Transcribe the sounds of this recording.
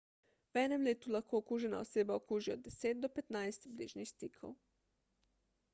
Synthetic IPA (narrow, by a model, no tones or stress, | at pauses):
wɛːnɛmleːt̪ulaxkoːkuːʒɛna̰ɔ̰seːbaɔkuːʒiɔd̪̚ːɛseːd̪̚d̪ɔpɛt̪najst̪bliːʒnixst̪ikʰɔ̰w